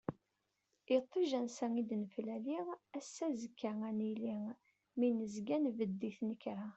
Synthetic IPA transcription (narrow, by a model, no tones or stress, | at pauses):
it̪ˤːiʒænsæŋid̪nəflæliʁæsːæzəkʰːæænili | minəzɡænvəd̪ːiθnəkɾa